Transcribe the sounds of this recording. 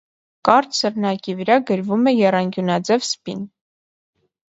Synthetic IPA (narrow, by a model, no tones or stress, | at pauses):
kɑɾt̪ʰsəɾnɑkivəɾɑɡəɾvumɛjɛrɑnɡjunɑd͡zɛvspin